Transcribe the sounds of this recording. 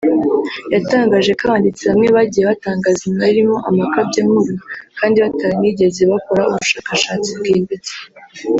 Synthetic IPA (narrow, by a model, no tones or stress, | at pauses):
jataːŋɡaːʒe̞kaβaːndit͡seβamŋe̞βaɟijeβataːŋɡazimaiɾimo̞ʔamakabɟamuɾnakaːndiβataɾiniɟe̞zeβakoɾauβuʃaːkaʃaːt͡sibɡiːndet͡se̥